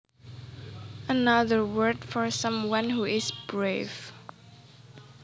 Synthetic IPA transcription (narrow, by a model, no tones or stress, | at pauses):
ənʌðə˞wɜ˞dfɔɹsʌ̃mwʌ̃nhuɪzb̥ɹev